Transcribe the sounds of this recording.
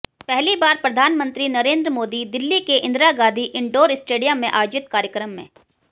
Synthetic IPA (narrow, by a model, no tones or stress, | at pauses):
pɛɦlibaːɾpɾɐd̪ʱaːnmə̃nt̪ɾinɐɾẽːnd̪ɾəmoːd̪id̪ɪlːikeʔɪ̃nd̪ɾaɡãːd̪ʱiʔɪ̃ɳɖoːɾɪsʈeːɖijəmːẽʔa̰ːjod͡ʒɪt̪kaːɾjəkɾəmːḛ̃ː